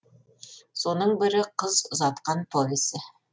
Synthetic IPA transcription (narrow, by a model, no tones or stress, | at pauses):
so̞nɤɴbɪ̆ɾɪqɤzozɑt̪qɑnpʰovʲɪsə